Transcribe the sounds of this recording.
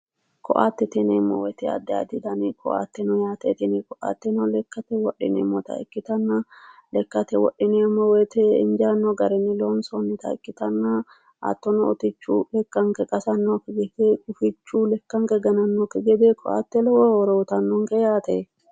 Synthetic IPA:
kʰɔ̰ʔa̰ːt̪ːɛt̪ɛnemːɔ̰wɛt̪ɛɐ̰d̪ːɛa̰t̪ɪd̪ɐnikʰɔʔa̰ːt̪ːɛnɔjaːt̪ɛt̪ɪnɪkɔʔa̰ːt̪ːɛnɔlɛkːɐt̪ɛwɔɗɪ̰nɛ̰mːɔt̪ɐ̰ɪ̰kːɪt̪ɐnːalɛkːɐt̪ɛwɔ̰ᶑːɪneːmːɔwet̪ɛɪ̰nd͡ʒaːnːɔɡɐɾɛnːɪloːnsonːɪt̪ɐɪkːɪt̪ɐnːa | ʔa̰t̪ːɔnɔɔt̪ɪt͡ʃːuːlɛkːɐŋkɛkʼɐsɐnːokɪɡɛd̪eɡʊfɪt͡ʃːuːlɛkːɐŋkɛɡɐnɐnːokɪɡɛd̪ekʰɔʔa̰ːt̪ːɛlɔwɔɔɾoʊt̪ɐnːoŋkɛjaːt̪ɛ

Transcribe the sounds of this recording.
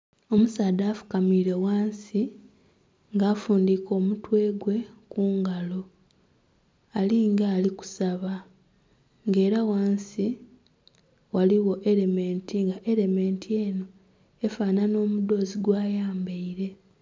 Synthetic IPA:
o̞musaːd̪aːfu̥kamiɾe̞waːnsi | ŋɡaːfuːndiːko̞ːmutwe̞ːɡwe̞kuːŋɡalo̞ | aliːŋɡaːliku̥saβa | ŋɡe̞ːɾawaːnsi | waliwo̞ʔe̞le̞me̞ːntiŋɡaʔe̞le̞me̞ːntie̞ːno̞ | efaːnano̞ːmud̪o̞ːziɡwaːjaːmbeiɾe̞

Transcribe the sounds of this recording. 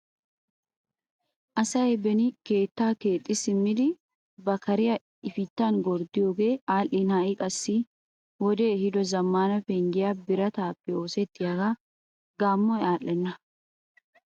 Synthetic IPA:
ʔɐsɐɛbɛnike̞ːt̪ːaːkeːt̪ʼːɪsɪmːɪd̪ɪ | bɐkɐɾɪjɐ | ɪfɪt̪ːaːŋɡɔɾd̪ɪjɔɡeaːlɪnaːɪkʼɐsːi | wɔd̪eːhɪd̪ɔzɐmːaːnɐfɛŋɡɪjabɪɾɐt̪aːpːɪoːsɛt̪ːɪjɐɡa | ɡaːmːɔɛaːlːɛnːɐ

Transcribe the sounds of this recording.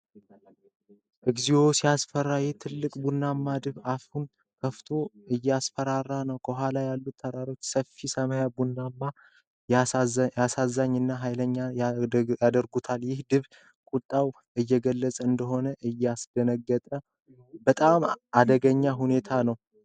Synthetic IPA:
ʔɨɡzijo̞sijasfəɾːajɛt̪ʰɨlːɨkʼbunːamːad̪ɨβafun | kʰəft̪ʰo̞ʔɨjːɛasfəɾarːanəwkʰəɦʷalajalːut̪ʰːəɾaɾo̞t͡ʃːsəfːisəmajabunːamːa | jasazːaɲːɨnːaɦajləɲːajjad̪əɾɡut̪ʰaljɪhd̪ɨβ | kʼut̪ʼːaw | ʔɨjːɛɡəlːət͡sʼəɨnd̪əɦo̞nəʔɨjːɛasd̪̥ənəɡːət̪ʼə | bət̪ʼamad̪əɡəɲːaɦune̞t̪ʰanəw

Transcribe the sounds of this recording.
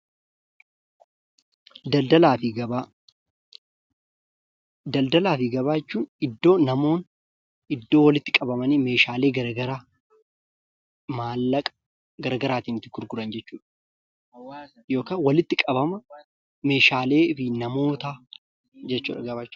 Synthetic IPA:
d̪ɐld̪ɐlaːfɪɡɐbaː | d̪ɐld̪ɐlaːfɪɡɐbaːjɛt͡ʃːuːnɪd̪ːo̞ːnɐmo̞ːn | ɪd̪ːo̞ːwɐlɪt̪ːɪkʼɐbɐmɐniːme̞ːʃaːle̞ːɡɐɾɐɡɐɾaː | maːlːɐkʼ | ɡɐɾɐɡɐɾaːt̪iːnɪt̪ːɪɡʊɾɡʊɾɐnd͡ʒɛt͡ʃːuːᶑɐ̥ | jo̞ːkaːwɐlɪt̪ːɪkʼɐbɐmɐ | me̞ːʃaːle̞ːfɪnɐmo̞ːt̪aː | d͡ʒɛt͡ʃːṵːᶑɐɡɐbaːt͡ʃː

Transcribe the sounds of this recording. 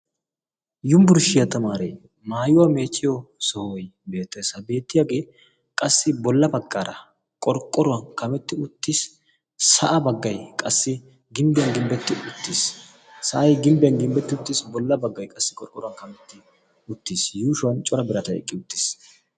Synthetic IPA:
jʊmbʊɾʃɪjɐt̪ɐmaːɾḛ | maːjʊwame̞ːt͡ʃːɪjɔsɔhojbe̞ːt̪ːɛsɐbe̞ːt̪ːɪjaɡe̞ː | kʼɐsːɪbɔlːɐbɐkʼːaːɾɐ̰ | kʼɔɾkʼːɔɾʊwɐnkɐmɛt̪ːɪʊt̪ːɪs | sɐʔɐbɐɡːɐjkʼɐsːɪ | ɡɪmbɪjɐnɡɪmbɛt̪ːɪʔʊt̪ːisː | ɐʔɐjɡɪmbɪjɐnɡɪmbɛt̪ːɪʊt̪ːɪsbɔlːɐbɐɡːɐjkʼɐsːɪkʼɔɾkʼːɔɾʊwɐnkɐmɛt̪ːɪ | ʊt̪ːiːsjuːʃʊwɐnt͡ʃʼɔɾɐbɪɾɐt̪ɐɛ̰kʼːɪʊt̪ːɪ̥s

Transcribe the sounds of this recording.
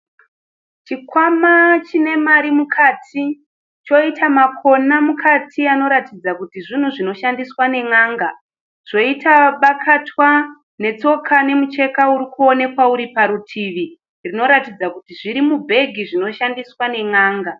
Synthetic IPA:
t͡ʃikwamat͡ʃine̞maɾimukʰaːtʰi | t͡ʃo̞itʰamakʰo̞namukʰatʰiano̞ɾatid͡zakutiʐin̤uʐino̞ʃandiswane̞ŋaːŋɡa | ʐ̥o̞itaɓakʰatwa | ne̞t͡so̞kʰane̞mut͡ʃe̞kauɾikuo̞ne̞kwauɾipaɾutʰiʋi | rino̞ɾatid͡zakutiʐiɾimubʱe̞ɡʱiʐino̞ʃandiswane̞ŋaːŋɡa

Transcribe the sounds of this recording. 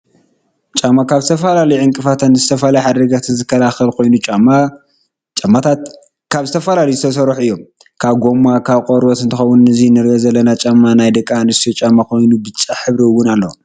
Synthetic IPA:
t͡ʃʼamːakʰaβzɨt̪ʰɐfɐlalɐjʕɨŋkʼɨfat̪ʰɐnzɨt̪ʰɐfɐlajħad̪ɾɐɡat̪ʰzɨkʰːɐlaxɐlkʰo̞jnut͡ʃʼamːa | t͡ʃʼɐmːat̪ʰat̪ | kʰaβzɨt̪ʰɐfɐlalizɨt̪ʰɐsɐɾuħɨjːom | kʰaβɡo̞makʰaβkʼoɾbɐt̪ɨnt̪ʰɨxɐwunnɨzinɨɾɡɐzɐlːɐnat͡ʃʼamːanajd̪ɐkʼːanɨst̪ʰot͡ʃʼamːakʰo̞jnubɨt͡ʃʼːaħɨβɾiwːʊnalːo

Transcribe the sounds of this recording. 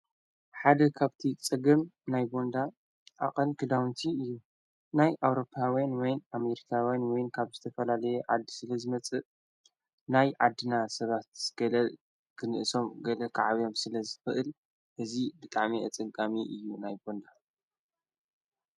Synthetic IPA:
ħad̪ɐkʰaβt̪ʰit͡sʼɨɡɨmnajbo̞nd̪a | ʔa̰χʼɐnkʰɨd̪awnt̪ʰiɨjːu | najʔawɾo̞pʰːawjanwɔjname̞ɾikʰawjanwɔjnkʰaβzɨt̪ʰɐfɐlalɐjɛʕa̰d̪ːsɨlɐzɨmɐt͡sʼɨʔ | najʕad̪ːɨnasɐβat̪z̥ɨɡ̥ɐlɐ | kʰɨnɨʔɨso̞mɡɐlɐkʰaʕaβijo̞msɨlɐzɨxɨʔɨl | ʔɨzibɨt̪ʼaʕmiʔat͡sʼɨŋkʼamiʔɨjːunajbo̞nd̪a

